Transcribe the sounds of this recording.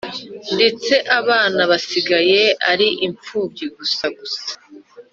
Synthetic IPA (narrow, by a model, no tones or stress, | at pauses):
nde̞t͡se̞ʔaβaːnaβasiɡaje̞aɾiʔiɱp͡fuːb̚ɟiɡusaɡusḁ